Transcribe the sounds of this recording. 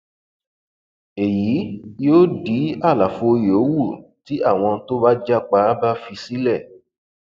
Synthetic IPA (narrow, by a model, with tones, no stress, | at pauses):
e˨ji˨˦joː˦di˨˦a˦˨la˨fo˧jo˨˦wu˦˨ti˨˦a˦˨w̃ɔ̃˧to˦ba˦d͡ʒa˦k͡pa˧˦ba˦fi˧si˨˦lɛ˦˨